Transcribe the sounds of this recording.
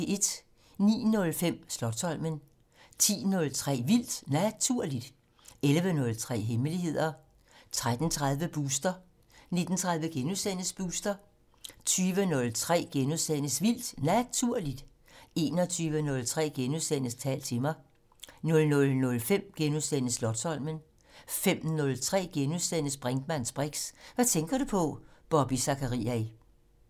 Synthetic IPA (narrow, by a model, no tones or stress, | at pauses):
e̝d̥ | nḭːnɔ̽lfem̰slɒ̥̽sʰɒ̽l̰mən | t͡sʰḭːnɔ̽lt͡sʰʁɛ̰ːʋil̰d̥næt͡sʰuɐ̰lid̥ | elʋənɔ̽lt͡sʰʁɛ̰ːɦeməliɦe̝ð̰ˠɐ | t͡sʰʁad̥n̩t͡sʰʁað̞ˠʋəb̥uːsd̥ɐ | ne̝d̥n̩t͡sʰʁäð̞ˠʋəɡ̥enusen̰əsb̥uːsd̥ɐ | t͡sʰyːʋənɔ̽lt͡sʰʁɛ̰ːɡ̥enuðˠsenəsʋil̰d̥næt͡sʰuɐ̰lid̥ | e̝ːnɒ̽t͡sʰyːʋənɔ̽lt͡sʰʁɛ̰ːɡ̥enuðˠsen̰əst͡sʰɛ̰ːlt͡sʰe̝mɑ̈ɪ | nɔ̽lnɔ̽lnɔ̽lfem̰ɡ̥enusenəslɒ̽d̥sɒ̽l̰mən | fem̰nɔ̽lt͡sʰʁɛ̰ːɡ̥enusenəsb̥ʁaŋd̥mænsb̥ʁeɡ̥sʋæt͡sʰeŋɡ̥ɐɾ̥upʰɒ̽b̥ɒ̽b̥isɑ̈kʰəʁḭːæ